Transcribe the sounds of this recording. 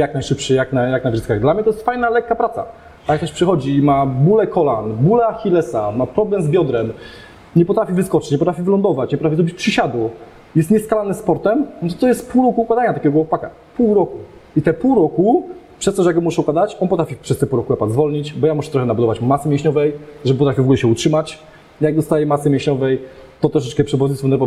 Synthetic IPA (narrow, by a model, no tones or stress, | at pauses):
jaknajʂɘpʂɘjaknajaknavʐɘskaɣd̪lamɲɛt̪ɔjɛst̪fajnalɛkːapɾat̪sa̰ | t̪ajakt̪ɔɛɕpʂɘxɔd͡ʑimabulɛkɔlanbulɛxʲilɛsamapɾɔblɛmzbʲjɔd̪ɾɛm | ɲɛpɔt̪ɾafʲivɘskɔt͡ʂɪ̥t͡ɕɲɛpɔt̪ɾafʲivɘlɔnd̪ɔvat͡ɕɲɛpɔt̪ɾafʲiɔbit͡ɕpʂɘɕad̪ɔ | jɛst̪ɲɛskalanɛspɔɾt̪ɛmnt̪ɔt̪ɔjɛst̪̚puwɾɔkuːkwad̪aɲat̪akʲɛɡɔwɔpaka̰ | puwɾɔku | it̪ɛpuwɾɔkupʂɛst̪ɔɕjaɡɔmuʂɛukwad̪at͡ɕɔnp̬ɔt̪ɾafʲipʂɛst̪ɛpuwɾɔkunapazvɔlɲit͡ɕbɔjamuʂɛt̪ɾɔxɛnabud̪ɔvat͡ɕmasɨmʲjɛ̃ɕɲɔvɛjʐɛpɔt̪ɾafʲivɔɡulɛɕɛutʂɘmat͡ɕ | ijaɡ̚d̪ɔst̪ajɛmasɨmʲjɛ̃ɕɲɔvɛjt̪ɔt̪ɾɔʂɛt͡ʂkɛpʂɛbɔzisfɔnɛɾpɔ